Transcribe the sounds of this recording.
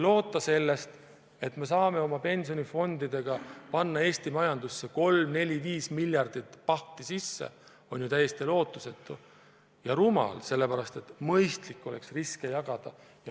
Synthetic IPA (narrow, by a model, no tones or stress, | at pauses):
lo̞ːt̪ːˑɑse̞lːe̞st̪ | e̞t̪ːme̞sɑːme̞o̞mɑpe̞nʲsio̞nʲifo̞nd̪̥id̪̥e̞ɡ̥ɑpɑnːɑe̞ːst̪imɑjɑnd̪̥usːe̞ko̞lmne̞lʲiviːsmiljɑrd̪̥it̪ːpɑht̪isisːḛ | o̞nʲjut̪æjːe̞st̪ilo̞ːt̪ːˑuse̞t̪ːˑu | jɑɾumɑ̰lse̞lːe̞pæɾɑst̪e̞t̪mɤjst̪likːo̞leksriske̞jɑɡ̥ɑd̪̥ɑ | jɑ